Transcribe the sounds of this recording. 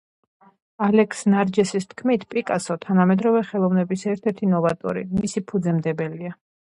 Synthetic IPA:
alɛkʰsnaɾd͡ʒɛsist̪ʰkʰmit̪ʰpʼikʼasɔt̪ʰanamɛd̪ɾɔvɛχɛlˠɔvnɛbisɛɾt̪ʰɛɾt̪ʰinɔvat̪ʼɔ̰ɾḭmisipʰud̪zɛmd̪ɛbɛlia

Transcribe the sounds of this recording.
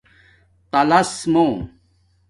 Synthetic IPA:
t̪ɐlɐsmõ

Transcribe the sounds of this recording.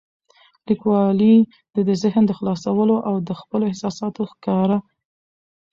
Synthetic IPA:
likwɑli | d̪əd̪əzɪhnd̪əxlɑsawəloʔawd̪əxpəloɪhsɑsɑt̪oxkɑɾa

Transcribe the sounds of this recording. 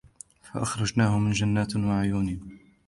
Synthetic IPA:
fa̰ʔɑxɾˤɑd͡ʒnaːhʊmɪnd͡ʒanːaːt̪waʕʊjuːnɪ

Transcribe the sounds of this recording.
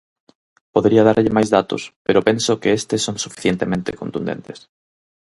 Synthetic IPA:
poðeɾiɐðaɾʎɪmajzðat̪ʊ̰speɾʊpensokeest̪esoŋsufi̥θjent̪emẽnt̪ekont̪und̪ḛnt̪es

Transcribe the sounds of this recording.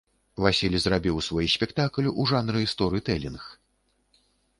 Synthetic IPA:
vasʲilʲzrabʲiwsvɔjisʲpʲɛkt̪aklʲuʔuʐanɾɨist̪ɔɾɨit̪ɛlʲinx

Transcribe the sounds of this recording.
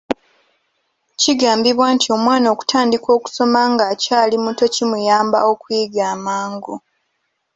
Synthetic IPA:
ciɡaːmbiβwaːntio̞mwaːno̞ːku̥tʰaːndiko̞ːku̥so̞maŋɡacaːlimuto̞cimujaːmba̰o̞kwiːɡaːmaːŋɡu

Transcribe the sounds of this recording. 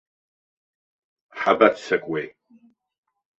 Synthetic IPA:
ħabatʰt͡sakʼwejʼ

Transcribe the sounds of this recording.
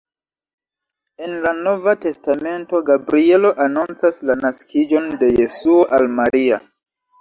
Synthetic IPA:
e̞nlano̞vate̞stame̞nto̞ɡabɾie̞lo̞ʔanunt͡saslanaskʰid͡ʒo̞nde̞je̞suo̞ʔalmaɾia

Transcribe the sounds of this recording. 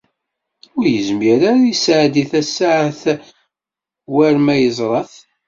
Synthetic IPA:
ʊɾjəzmiɾaɾjisʕd̪iθæsːaʕθ | wæɾmæjəzˤɾˤɑθ

